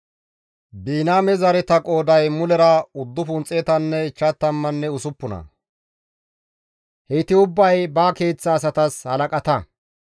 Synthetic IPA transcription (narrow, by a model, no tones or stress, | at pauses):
biːnaːmɛzɐɾɛt̪ɐkʼo̞ːd̪ɐjmʊlɛɾɐʊd̪ːʊfʊnt͡sʼːeːt̪ɐnːɛt͡ʃːɐt̪ːɐmːɐnːɛʊsʊpːʊnɐ̰ | hɛt̪ɪʊbːɐjbaːke̞ːt͡sːɐːs̬ɐt̪ɐshɐlɐkʼɐt̪ɐ